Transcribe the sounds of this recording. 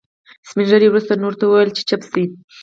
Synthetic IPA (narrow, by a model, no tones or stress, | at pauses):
sminʒəɾewɾust̪anoɾt̪awəwajəlt͡ʃe̥t͡ʃapsi